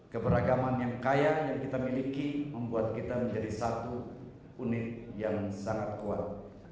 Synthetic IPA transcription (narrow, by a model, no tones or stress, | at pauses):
kəbəɾaɡamanjaŋkajajaŋkit̪amilikiməmbuat̪̚kit̪aməɲd͡ʒadisat̪u | unɪt̪̚jaŋsaŋat̪̚kua̰t̪̚